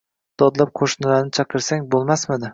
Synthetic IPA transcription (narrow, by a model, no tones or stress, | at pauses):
d̪̥ɒd̪lˠap̚qʰoʃnɪlaɾnɪt͡ʃʰɑqʰɨɾsaŋbolˠmasmɪd̪ɪ